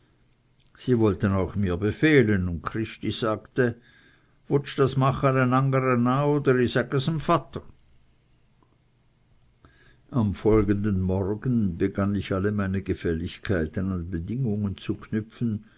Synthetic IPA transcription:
z̥iːvɔltənaʊxmiːɐbəfeːlənʊnt̚kʰʁ̥ɪʃtiz̥aːktə | vʊt͡ʃd̥asmaχənanaŋɡəʁənaːoːdəɾisakəsəmfatə | ʔamfɔlɡəndənmɔʁɡən̩bəɡanɪçaləmaɪnəɡəfɛlɪçkʰaɪtənʊnt̚b̥ədɪŋʊŋənt͡sukʰnʏpfn̩

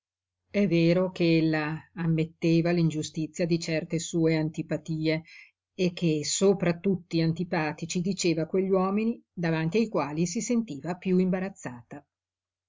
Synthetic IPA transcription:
ɛvːeːɾokeelːaːmːet̪ːeːvalind͡ʒust̪it̪sːjad̪it͡ʃɛrt̪esuːeant̪ipat̪iːeː | kʰːesoːpɾat̪ut̪ːiant̪ipaːt̪it͡ʃid̪it͡ʃeːvakweʎːwɔːminid̪avant̪iajkwaːlisisent̪iːvapjuimbaɾat̪sːaːt̪a

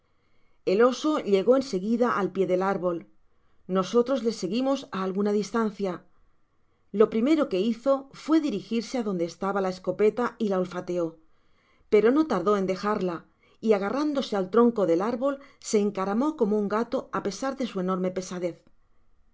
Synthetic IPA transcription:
e̞lo̞so̞ʎe̞ɣo̞e̞nse̞ɣiðaʔalpje̞ðe̞laɾβo̞l | no̞so̞t̪ɾo̞zle̞se̞ɣimo̞saːlɣunaðist̪an̟θja | lo̞pɾime̞ɾo̞ke̞iθo̞fwe̞ðiɾixiɾseaðo̞nd̪eːst̪aβalae̞sko̞pe̞t̪ailaolfat̪e̞o̞ | pe̞ɾo̞no̞t̪aɾðo̞e̞nd̪e̞xaɾla | iaɣ̞arand̪o̞se̞alt̪ɾo̞ŋko̞ðe̞laɾβo̞lse̞ːŋkaɾamo̞ko̞mouŋɡat̪o̞ape̞saɾðe̞sue̞no̞ɾme̞pe̞saðe̞θ

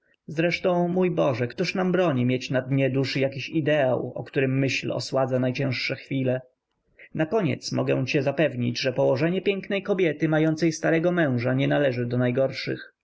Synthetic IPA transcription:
zɾɛʂt̪ɔ̃w̃mujbɔʐɛkt̪uʂnambɾɔɲimʲjet͡ɕnad̪ɲɛd̪uʂɘjakʲiɕid̪ɛa̰wɔ̰kt̪uɾɘmːɘɕlɔ̰swad̪zanajt͡ɕɛ̃w̃ʂʂɛxfʲilɛ | nakɔɲɛ̰t̪smɔ̰ɡɛ̰w̃t͡ɕɛzapɛvɲḭd͡ʑʐɛpɔwɔʐɛɲɛpʲjɛŋknɛjkɔbʲjɛt̪ɘmajɔnt̪sɛjst̪aɾɛɡɔmɛ̃w̃ʐaɲɛnalɛʐɘd̪ɔnajɡɔɾʂɘ̰x

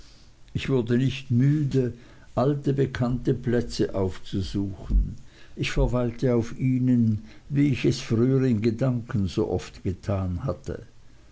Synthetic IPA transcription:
ʔɪçv̥ʊɐdənɪçtmyːdə | ʔaltəbəkʰantəplɛt͡səʔaʊft͡suzuːxn̩ʔɪçfɛɐvaɪltəaʊfʔiːnənviːɪçɛsfʁyːəʁɪnɡədaŋkən̩zo̰ːʔɔftɡ̥ətʰaːnhatə̰

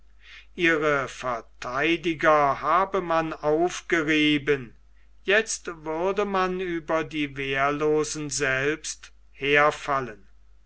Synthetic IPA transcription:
ʔiːʁəfɛɐtʰaɪdɪɡɐhaːbəmanaʊfɡ̥əʁiːbən | jɛt͡stvʏɐdəmanyːbɐdiːveːɐloːzn̩zɛlpst | heːɐfalən

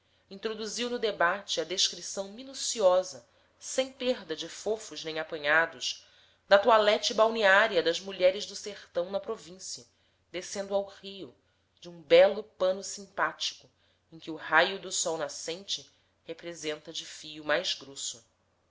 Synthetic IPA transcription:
ĩnt̪ɾod̪uziwnʊd̪ebat͡ʃɪɐd̪eʃkɾisɐ̃w̃minusiɔzɐ | sẽj̃peɦd̪ɐd͡ʒɪfofʊʒnẽj̃apɐ̃ɲad̪ʊʃ | d̪ɐt̪ualɛt͡ʃɪbawniaɾiɐd̪ɐʒmuʎɛɾɪʒd̪ʊseχt̪ɐ̃w̃nɐpɾovĩsiɐ | d̪esẽnd̪ʊawʁijʊ | d͡ʒɪũbɛlʊpɐ̃nʊsĩmpat͡ʃi̥kʊ | ẽj̃kʲɪuhajʊd̪ʊsɔwnasẽnt͡ʃɪ | hepɾezẽnt̪ɐd͡ʒɪfijʊmajzɡɾosʊ

